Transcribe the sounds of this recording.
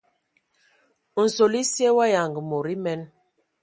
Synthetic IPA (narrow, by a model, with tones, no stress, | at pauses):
n̩˨so˨li˦sjɛ˦wa˦ja˨ŋɡə˨mo˨ɾi˦mɛ˦n